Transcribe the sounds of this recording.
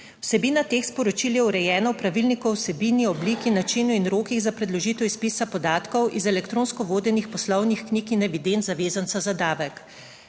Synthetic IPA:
wsɛbiːnat̪eːxspɔɾɔt͡ʃiljɛuɾɛjɛːnawpɾaʋilnikɔwsɛbiːniɔbliːkinat͡ʃinuinɾoːkiɣzapɾɛd̪lɔʒit̪ɛwispiːsapɔd̪aːt̪kɔwʔizɛlɛkt̪ɾoːnskɔʋoːd̪ɛnixpɔslɔwnixkniːkinɛʋid̪ent̪zaʋeːzansazad̪aːʋɛk

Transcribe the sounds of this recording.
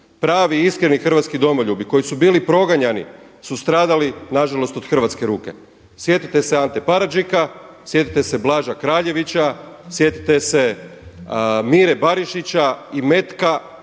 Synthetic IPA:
pɾaːʋiiskɾenixr̩ʋat̪skid̪o̞moʎubiko̞jisubiːlipɾo̞ɡaɲanḭ | sust̪ɾaːd̪alinaʒalo̞st̪od̪xr̩ʋat̪ke̞ɾuːke̞̰ | sje̞t̪it̪e̞seant̪epaɾad͡ʒika | sje̞t̪it̪e̞se̞blˠaːʒakɾaːʎe̞ʋit͡ɕasje̞t̪i̥t̪e̞se̞ | miɾebaɾiʃit͡ɕaime̞t̪ka

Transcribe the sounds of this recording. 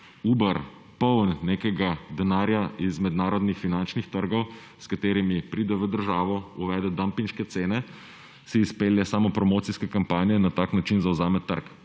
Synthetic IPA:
uːbəɾ | pɔwnːekɛɡad̪ɛnaːɾjaizmɛd̪naːɾɔd̪nixfinant͡ʃnixt̪əɾɡɔw | skat̪eːɾimipɾiːd̪ɛʋəd̪əɾʒaːʋɔuʋɛːd̪ɛd̪ampiŋʃkɛt̪seːnɛ | siːspeːljɛsaːmɔpɾɔmoːt̪siskɛkampaːnijɛnat̪aknat͡ʃinzawzaːmɛt̪ːə̰ɾk

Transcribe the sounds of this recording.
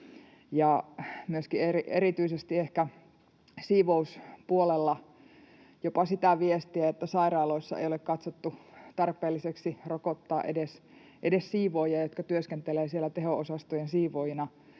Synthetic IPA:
jɑmyøskieriʔerit̪yisest̪iehkæ | siːʋouspuolelːɑ | jopɑsit̪æʋiest̪iæet̪ːæsɑirɑːloisːɑ̰ḛjolekkɑt̪sot̪ːut̪ɑrpˑeːlːiseksirokot̪ːɑ̰ːʔedes | ʔedessiːʋoːjɑjot̪kɑt̪yøskent̪eleːsielːˑæt̪ehoosɑst̪ojensiːʋojinɑ

